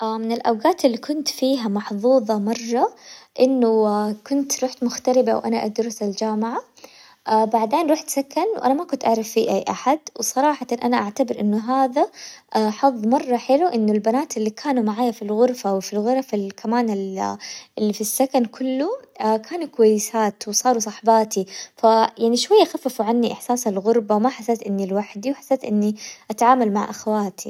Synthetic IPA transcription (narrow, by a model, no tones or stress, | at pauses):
ʔamɪnɪlʔawɡaːt̪ɪlːikʊnt̪fiːɦamɑħðˤuːðˤɑmɑrˤːɑʔɪnːʊkʊnt̪ɾuːħt̪mʊxt̪aɾɪbawʔanaʔad̪ɾˤʊsald͡ʒaːmɪʕa | ʔabaʕd̪eːnɾuːħt̪sakanwʔa̰namakʊnt̪ʔaʕɾˤɑfːiːʔajːʔa̰ħad̪wsˤɑɾˤɑːħɑt̪ɑnʔanaʔaʕt̪abɪɾʔɪnːʊɦaːðaħɑðˤːmɑrˤːɑħɪluʔɪnːʊlbanaːt̪ɪlːikʰaːnumaʕaːjafilɣʊɾfawfilɣʊɾˤafilkʰamaːnɪl | ɪlːifisːakankʰʊlːukʰaːnukʊwajːɪsaːt̪wsˤɑːɾˤusˤɑħbɑːt̪ʰifajaʕniʃwajːaxafːafuʕanːiʔɪħsaːsalɣʊɾbawmaħasːeːt̪ʔɪnːilwaħd̪iwħḁsːeːt̪ʔɪnːiʔat̪aʕaːmalmaʕʔa̰xawaːt̪ʰi